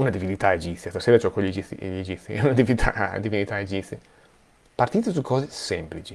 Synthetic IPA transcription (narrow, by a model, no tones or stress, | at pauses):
unad̪ivinit̪aed͡ʒiːjast̪aseːɾad͡ʒokɔed͡ʒiḭʎed͡ʒit̪sːḭunad̪iviit̪ʰa̰d̪ivinit̪aed͡ʒisi | part̪iːt̪esukɔːzesɛmplit͡ʃi